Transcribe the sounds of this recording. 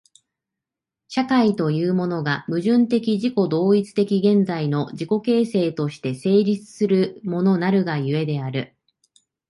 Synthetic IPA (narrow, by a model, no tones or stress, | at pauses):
ɕakait̪o̞jɯːmo̞no̞ɡamɯ̟ʑɨ̃nt̪e̞kʲiʑiko̞d̪o̞ːit͡sɨ̥t̪e̞kʲiɡẽ̞nd͡zaino̞d͡ʑiko̞ke̞ːse̞ːt̪o̞ɕi̥t̪e̞se̞ːɾʲit͡sɨ̥sɨɾɯ̟mo̞no̞naɾɯ̟ɡajɯ̟e̞d̪e̞aɾɯ̟